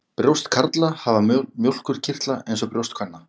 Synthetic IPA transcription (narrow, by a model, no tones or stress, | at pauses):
pɾjowst̪kʰaɾt̪lahavamjowl̥kʏɾ̥cʰɪr̥t̪laejnsɔpɾjowst̪̚kʰvanːa